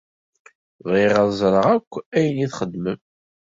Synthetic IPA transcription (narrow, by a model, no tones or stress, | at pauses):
ðiʁɑðˤzˤɾˤəʁækʷːæjənjiθχəd̪ːməm